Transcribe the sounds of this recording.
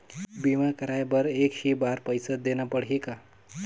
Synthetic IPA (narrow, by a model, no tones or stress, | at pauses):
bimakəɾajbəɾekʃibaɾpəjsəd̪enapəɽ̤ɦika